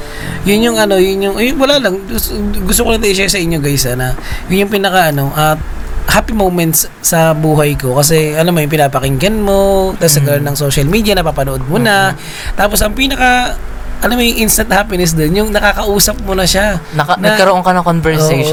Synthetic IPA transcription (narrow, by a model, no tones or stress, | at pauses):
jʊnjʊŋɐno̞jʊnjʊŋjwɐlalɐŋɡʊst̪okonɐt̪ɐʔɪʃasɐʔɪɲːoɡɐjsanɐjʊnjʊŋpinɐkɐʔɐno̞ʔɐt̪hapɪmowmɛnt̪sːɐbuːɦɐjko̞kɐs̬ɛʔɐnomɐjʊŋp̬ɪnaːpɐkɪŋɡɐnmo̞t̪ɐsɐɡɐɾonːɐŋsoʃɐlmiːd̪ijɐnɐpapɐnoʔo̞d̪̚mʊnɐ | t̪aːpo̞sɐŋpiːnɐkɐ | ʔɐnomojʊŋʔinst̪ɐnt̪̚haːpɪnɛs̬d̪onjʊŋnɐkaːkɐʔuːsɐp̚mʊnɐʃannɡɐkːɐɾoʔoŋkɐnɐŋkonvɛɹsoej